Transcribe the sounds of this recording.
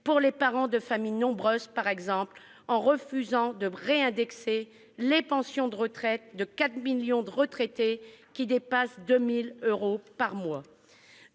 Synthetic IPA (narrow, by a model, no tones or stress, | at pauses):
puʁlepaʁɑ̃d̪əfamijnɔ̃bʁøzpaʁɛɡzɑ̃pl | ɑ̃ʁəfyzɑ̃d̪əʁeɛ̃d̪ɛkse | lepɑ̃sjɔ̃d̪əʁət̪χɛt̪̚d̪əkat̪miljɔ̃d̪əʁət̪χet̪ekʲid̪epasd̪ømiløʁopaʁmwa